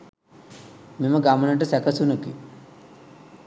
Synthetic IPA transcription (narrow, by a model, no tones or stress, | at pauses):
miməɡamɐnəʈ̬əsɛkɐsunəkḭ